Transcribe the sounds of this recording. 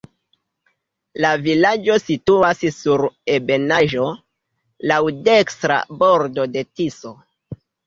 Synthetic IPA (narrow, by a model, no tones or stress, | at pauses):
lavilad͡ʒo̞situassuɾe̞be̞naʒo̞ | lawde̞kstɾa̰bo̞ɾdo̞de̞tiso̞